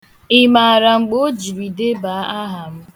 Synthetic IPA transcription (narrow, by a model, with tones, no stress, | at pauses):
ɪ˦ma˨a˨ɾa˨ŋ͡m̩˨ɡ͡bo˦d͡ʒi˨ɾi˨de˦ba˨˦a˦ɦa˨m̩˦